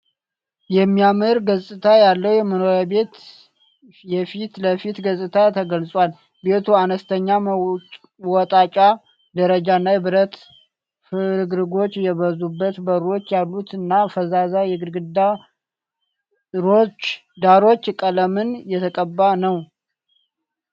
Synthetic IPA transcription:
jɛmːijamɨɾɡəzʼɨt̪ʰajalːəwjɛməno̞ɾabe̞t̪ | jɛfit̪ləfit̪ɡəzʼɨt̪ʰat̪ʰəɡəlsʼwal | be̞t̪ʰuanəst̪ʰəɲːa | wɔt̪ʼat͡ʃʼa | d̪əɾəd͡ʒanːajɛbɨɾət̪ | fɨɾɨɡɾɨɡo̞t͡ʃːjɛβəzubːət̪bəɾo̞t͡ʃːjalːut̪ɨnːafəzazajɛɡɨɾɡɨd̪a | ɨɾo̞t͡ʃː | d̪aɾo̞t͡ʃːkʼələmɨnjɛt̪ʰəkʼəbːanəw

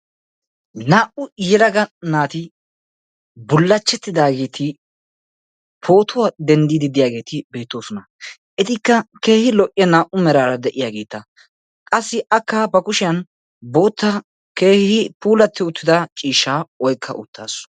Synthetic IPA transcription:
naːʔʊjɛlɐɡɐnaːt̪ɪ | bʊlːɐt͡ʃːɛt̪ːɪd̪aːɡe̞ːt̪ʰɪ | pʰo̞ːt̪ʊwad̪ɛnd̪iːd̪ɪd̪ɪjaːɡeːt̪ɪbe̞ːt̪ːo̞ːsɔnɐ | ʔɛt̪ɪkːɐke̞ːhɪlɔʔʼɪɐnaːʔʊmɛɾaːɾɐd̪ɛʔɪjaːɡe̞ːt̪ːɐ | kʼɐsːɪʔɐkːaːbɐkʊʃɪjɐn | bo̞ːt̪ːɐ | keːhhɪpuːlɐt̪ːɪʊt̪ːɪd̪ɐt͡ʃʼiːʃaːɔjkʰːɐ̰ʔʊt̪ːaːs

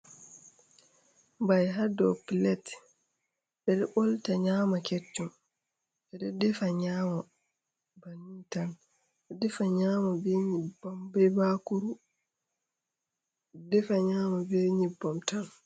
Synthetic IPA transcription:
bajɦadɔpilɛt | ɓɛɗɛɓɔltaɲaːmaket͡ʃːum | ɓɛɗɔdɛfaɲaːma | banitan | ɛdɛfaɲamabɛɲibɔmbɛbakuɾu | dɛfaɲaːmabɛɲibːɔmtan

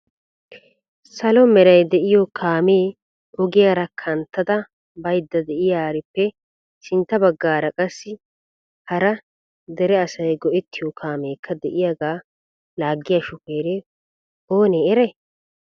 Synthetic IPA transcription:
sɐlɔmɛɾɐjd̪ɛʔɪjɔkʰaːmeː | ʔɔɡɪjaːɾɐkʰɐnt̪ːɐd̪ɐ | bɐjd̪ːɐd̪ɛʔɪjaːɾɪpːɛ | sɪnt̪ːɐbɐɡːaːɾɐkʼɐsːɪ | hɐɾɐ | d̪ɛɾɛɐsɐjɡɔʔɛt̪ːɪjɔkʰaːme̞ːkʰːɐd̪ɛʔɪjaɡaː | laːɡːɪjaʃʊpeːɾe | o̞ːneːɛɾɛ

